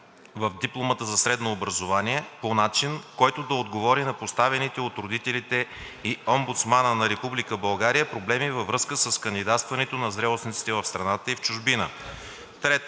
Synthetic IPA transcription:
vəvd̪iplˠomət̪əzɐsɾɛd̪noːbɾɐzovaniɛponat͡ʃinkɔjt̪oʊd̪ɐod̪ɡovɔɾinɐpost̪avɛnit̪ɛot̪ɾod̪it̪ɛlit̪ɛiombut̪smanənɐɾɛpublikəbɐlˠɡaɾijəpɾoblɛmivɐvɾɤskəsəskənd̪id̪at̪st̪vɐnɛt̪onɐzd̪ɾɛlˠosnit̪si̥t̪ɛvɐfst̪ɾɐnat̪əift͡ʃʊʒbinə | t̪ɾɛt̪

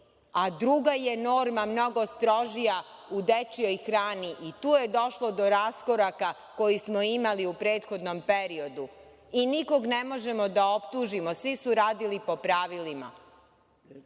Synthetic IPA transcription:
ad̪ɾuɡaje̞no̞ːɾmamno̞ɡo̞st̪ɾo̞ʒija | ud̪et͡ʃio̞jxɾaːniʔit̪uːjed̪o̞ʃlˠo̞d̪o̞ɾasko̞ɾaka | ko̞jismo̞imaliupɾe̞ːt̪xo̞d̪no̞mpe̞ɾio̞d̪u | iniko̞ɡne̞mo̞ʒe̞mo̞d̪ao̞pt̪uːʒimosʋisuɾaːd̪ilipo̞pɾaːʋilima̰

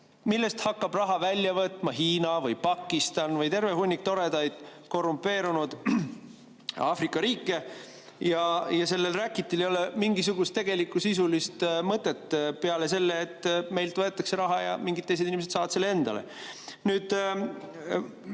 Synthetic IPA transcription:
milːe̞st̪hɑkːɑb̥rɑɦɑvælʲːjɑvɤt̪ˑmɑɦiːnɑvɯjpɑkːˑist̪ɑnvɯjt̪e̞rve̞ɦunʲːik̚t̪o̞ɾe̞d̪ɑjd̪̥̚ko̞rːumpːˑe̞ːɾunud̪̥ | ɑːfrikːˑɑɾiːkːˑe̞ | jɑjɑse̞lːelrækˑːit̪ːilejo̞le̞miŋɡis̬uɡ̥ust̪ːe̞ɡ̥e̞likːˑusis̬ulist̪mɤt̪ːˑe̞t̪ːpeɑle̞se̞lːeːt̪ːme̞jlt̪vɤe̞t̪ːˑɑkse̞ɾɑɦɑjɑ̰miŋɡit̪ːejs̬ed̪inimeset̪sɑːvɑt̪se̞lːee̞nd̪̥ɑ̰le̞̰nyːd̪̥

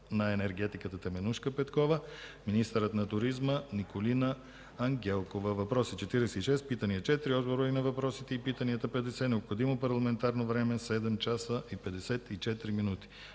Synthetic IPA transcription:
nɐɛnɛɾɡɛt̪ikət̪ət̪ɛmɛnuʃkəpɛt̪kɔvəminist̪əɾət̪nɐt̪uɾizmənikolinəː | ŋɡʲɛlˠkovəvɐpɾɔsit͡ʃɛt̪iɾɛsɛt̪iʃɛst̪̚pit̪əniɐt͡ʃɛt̪ɾiɔzboɾoinɐvɐpɾɔsit̪ɛipit̪əniət̪əpɛd̪ɛsɛnɛopxod̪imopɐɾlˠɐmɛnt̪aɾnovɾɛmɛsɛd̪ɛmt͡ʃasəʔipɛd̪ɛsɛt̪it͡ʃɛt̪ɾiminut̪i̥

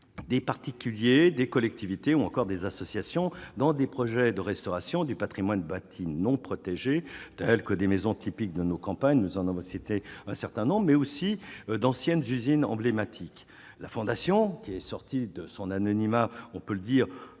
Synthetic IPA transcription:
d̪epaʁt̪ikʲyljed̪ekɔlɛk̚t̪ivit̪euɑ̃kɔʁd̪ezasɔsjasjɔ̃d̪ɑ̃d̪epχɔʒɛd̪əʁɛst̪ɔʁasjɔ̃d̪ypat̪χimwanbat̪ʰinɔ̃pχɔt̪eʒet̪ɛlkəd̪emɛzɔ̃t̪ʰipik̚d̪ənokɑ̃paɲnuzɑ̃navɔ̃sit̪eɛ̃sɛʁt̪ɛ̃nɔ̃bʁmɛosid̪ɑ̃sjɛnzyzinɑ̰̃blemat̪ʰik | lafɔ̃d̪asjɔ̃kʲiɛsɔʁt̪ʰid̪əsɔ̃nanɔnimaɔ̃pøləd̪iːʁ

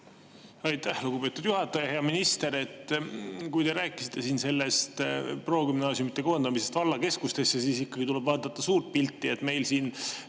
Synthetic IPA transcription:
ɑjt̪ːæhluɡubpe̞ːt̪ud̪̥juɦɑt̪ːˑɑjɑhe̞ɑminist̪e̞ɾe̞t̪ːkujt̪e̞ɾæːkːˑi̥si̥t̪ːe̞siːnse̞lːe̞st̪pro̞ːkymnɑːsjumit̪ːˑeko̞end̪ɑmise̞st̪vɑlːɑke̞skust̪e̞sjɑsiːsikːɑɡ̥it̪ule̞bvɑːd̪̥ɑt̪ːɑsuːrt̪̚pilt̪ːiet̪ːme̞jlsiːn

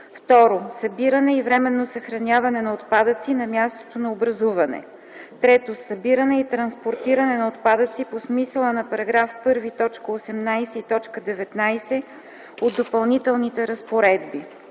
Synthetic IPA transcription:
ft̪ɔɾosɐbiɾənɛivɾɛmɛnːosɐxɾɐnʲavɐnɛnɐot̪pad̪ət̪sinɐmʲjast̪o̥t̪onɐobɾɐzuvɐnɛ̰ | t̪ɾɛt̪osɐbiɾənɛit̪ɾɐnspoɾt̪iɾɐnɛnɐot̪pad̪ət̪siposmisəlˠənɐpɐɾɐɡɾafpɤɾvit̪ɔt͡ʃkəosɛmnajsɛit̪ɔt͡ʃkəd̪ɛvɛt̪najsɛ | od̪d̪ːopɐlˠnit̪ɛlˠnit̪ɛɾɐspoɾɛd̪̚bi

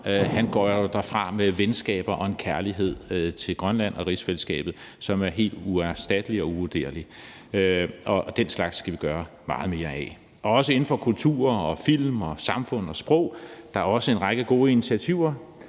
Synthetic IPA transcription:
hænɡ̥ɒ̰ːjod̥ɑfʁɑ̈meʋensɡ̥ɛ̰ːb̥ɐʔɒ̽e̝nkʰæɐliɦe̝ð̰ˠt͡sʰe̝lɡ̥ʁɶnlæn̰ɒ̽ʁisfeləsɡ̥ɛ̰ːb̥ð̩ˠ | sɒ̽mæɐɦe̝̰ːld̥uæsd̥æd̥əliɒ̽uʋod̥e̝̰ɐli | øʔɒ̽d̥enslɑ̈ɡ̥sɡ̥æʋiɡ̥ɶːɐ | mɑ̈ːð̞̩ˠme̝ːɐɛ̰ | ʔɒ̽ɒ̽səe̝n̩fɒ̽kʰult͡sʰṵːɐɒ̽fil̰mɒ̽sɑ̈mfɔ̽n̰ɒ̽sb̥ʁɔʊ̰d̥ɑ̈æɐɒ̽səe̝nʁɑ̈ɡ̥əɡ̥o̝ːinit͡sʰiæt͡sʰiʊ̰ɐ

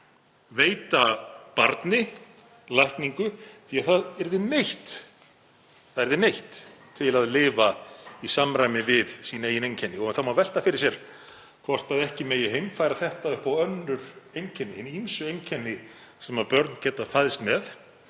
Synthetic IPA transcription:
veːjt̪apaɾt̪nɪ | lajhkniŋkʏθiaðθaðɛɾðɪnejht̪ | θaðɛɾðɪnejht̪ʰː | ɪlaðlɪːvaisamɾajmɪvɪðsiːneːjɪnejɲcʰɛnːɪɔɣɛnθawmavɛl̥t̪afɪɾɪ̥ɾ̥sjɛɾ̥ | kʰɔr̥t̪aðɛhcɪmeːjɪɦejmfaːjɾaθɛht̪aðʏhpawœnːʏɾ̥ejncʰɛnːɪenːimsʏejŋcʰɛnːɪsɛmapœɾt̪ncɛːt̪afaðɪst̪mɛð

